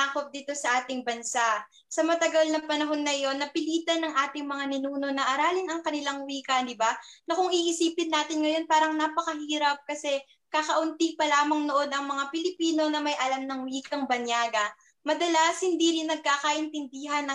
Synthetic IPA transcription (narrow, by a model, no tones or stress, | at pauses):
akop̚d̪iːt̪o̞sɐʔaːt̪ɪŋbɐnsaʔ | sɐmɐt̪ɐɡɐlnɐpɐnɐɦo̞nːɐjo̞nːɐpɪliːt̪ɐnɐŋʔaːt̪ɪŋmɐŋanɪnuːno̞nɐʔɐɾaːlɪŋɐŋkɐnɪlaŋwiːkɐd̪ɪbanɐkʊŋiʔɪsiːpɪnːaːt̪ɪnŋɐjo̞npaːɾɐŋnapɐkɐhiːɾɐp̚kɐsɛ | kakɐʔʊnt̪ipɐlaːmɐŋnoʔo̞d̪ʔɐŋmɐŋapɪlɪpiːno̞nɐmɐjʔɐlamnɐŋwiːkɐŋbɐnjaːɡɐ | mɐd̪ɐlashɪnd̪iɾɪnːɐɡ̚kaːkɐʔɪnt̪ɪnd̪iːɦɐnɐ